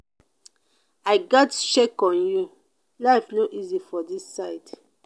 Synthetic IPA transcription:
aɪɡɔtʃekɔ̃nju | laɪfnoʔizifɔdisːaɪt

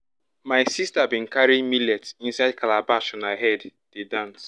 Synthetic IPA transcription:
majsistabĩnkaɹimilɛtĩnsaɪd̚kʰalabaʃɔ̃naɪɦɛdd̥edãns

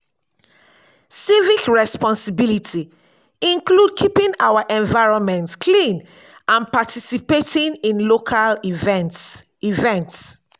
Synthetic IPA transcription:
sivikɹɛspɔ̃nsibilitʰi | ĩnklud̚kʰipĩnaʊwaʔɛ̃nvaɪɹɔ̃nmɛ̃ntkʰlĩn | ʔãnpatisipetĩnĩnlokʰalvnt | ivɛ̃nts

